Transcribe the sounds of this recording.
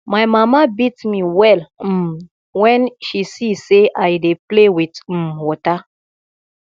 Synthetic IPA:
majmamabitmiwɛl̩m | wɛ̃nʃisiseʔajdeplewit̩wɔta

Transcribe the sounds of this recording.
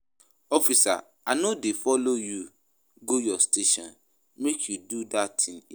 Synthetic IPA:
ɔfisa̰ | anodefɔloju | ɡojɔsteʃɔ̰̃n | mekʰjududatʰĩŋ

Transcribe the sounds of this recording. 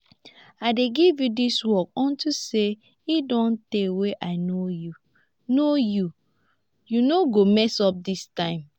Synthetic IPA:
aɪdeɡivjudiswɔk̚ɔ̃ntuse | idɔ̃nteweʔaɪnoju | noju | junoɡomɛsɔp̚distãɪ̃m

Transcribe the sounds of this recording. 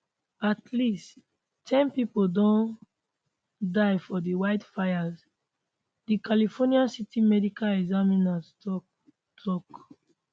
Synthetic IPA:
atʰlist | tʰɛ̃npipodɔ̃n | dajfɔdiwaɪtfajaz | dikalifɔniãnsitimɛdikalɛɡzamĩnastɔ | tʰɔk

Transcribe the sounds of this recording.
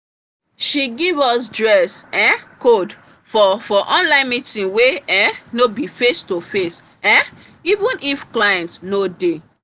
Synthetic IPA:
ʃiɡivɔsdɹɛsɛ̃nkod | fɔfɔʔɔ̃nlãɪ̃nmitĩnweɛnobifestofes | ɛ̃ | ivũnʔifklajɛ̃ntnode

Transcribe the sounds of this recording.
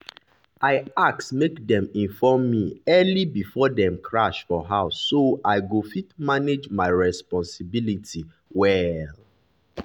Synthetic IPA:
aɪak̚tmekdɛ̃mĩnfɔmːiɛlibifɔdɛ̃mkʰɹaʃfɔɦaʊsːoaɪɡofitmaned͡ʒmaɪɹɛspɔ̃nsibilitʰi | wɛl

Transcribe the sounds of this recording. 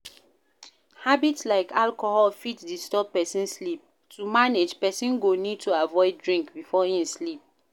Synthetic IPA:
habitslaɪkʰalkohɔlfitdistɔb̚pɛsĩnslip̚ | tʰumaned͡ʒpɛsĩnɡonid̚tʰuavɔɪd̚dɹĩŋkbifɔĩmslip̚

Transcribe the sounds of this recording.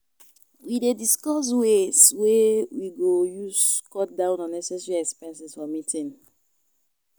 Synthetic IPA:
widediskɔs̬weswewiɡojuskɔt̚dãʊ̃nɔ̃nːɛsɛsɹiɛkspɛ̃nsɛsfɔmitʰĩn

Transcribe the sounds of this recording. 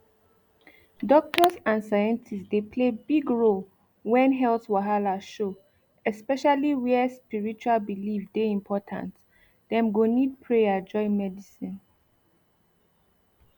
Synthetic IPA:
dɔk̚tʰɔsãnsajɛ̃ntʰistdepʰlebiɡɹol | wɛ̃nɦɛltwaɦalaʃo | ɛspɛʃaliwɛspiɹit͡ʃualbilifdeĩmpʰɔtʰã̰nt | d̥ɛ̃mɡonid̚pʰɹejad͡ʒɔ̃ɪmɛdisĩn

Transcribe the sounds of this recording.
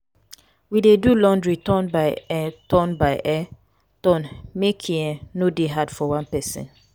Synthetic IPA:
widedulɔ̃ndɹitɔ̃nbaɪɛtɔ̃nbaɪʔɛ | tɔ̃nmekʰĩɛ̃nodeɦadfɔwãnpɛsḭ̃n

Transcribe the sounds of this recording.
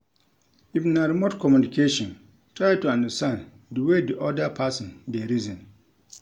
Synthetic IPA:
ifnaɾimotkʰɔmjunikʰeʃɔ̃n | tɹajtuãndəstãn | dəwediʔɔdəpʰasɔ̃ndeɾizɔ̃n

